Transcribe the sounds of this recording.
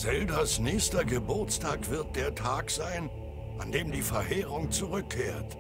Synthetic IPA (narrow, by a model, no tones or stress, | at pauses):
z̥ɛldɐsnɛːçstɐɡəbʊɐt͡staːkv̥ɪɐt̚d̥eːɐtʰaːkz̥aɪn | ʔandeːmdiːfɛɐheːʁʊŋt͡suʁʏkʰːeːɐt